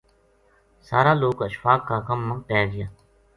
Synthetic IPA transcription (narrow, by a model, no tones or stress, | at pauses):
saːɾaːloːkəʃfaːkːaːkəmːə̃ːpɛːɡɪjaː